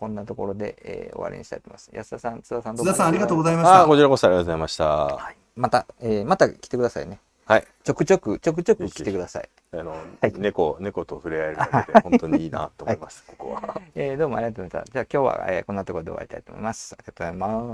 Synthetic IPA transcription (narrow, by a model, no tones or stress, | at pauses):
kõ̞nːat̪o̞ko̞ɾo̞d̪e̞eːo̞̰βa̰ɾʲḛɲḭ̃ɕi̥t̪a̰it̪omḁ̰sɨ̥ja̰sd̪asãnt͡sɨd̪asãnd̪oasãaɾʲiɡat̪oːɡozaimaakot͡ɕiɾakosoaɾʲiɡat̪ozaimaɕi̥t̪aai | mat̪aeːmat̪akʲi̥t̪ekɯd̪asaḭne̞ | hai | t͡ɕo̞kɯ̟t͡ɕo̞kɯ̟t͡ɕo̞k̬ɯ̟t͡ɕo̞kɯ̟kʲit̪ekɯd̪asa̰ḭ | anohainekone̞ko̞t̪oɸɯ̟ɾeaeɾt̪eõnt̪oɲ̟iːna̰t̪omaimasɨ̥kokoβaeːd̪o̞ːmoa̰ɾiat̪omːaɕt̪a̰d͡ʑaːkʲo̞ːβa̰ḛːko̞nːat̪o̞ko̞ɾo̞d̪e̞oa̰ɾit̪a̰it̪oːmo̰imasɨ̥aɾʲiɡat̪oːzaima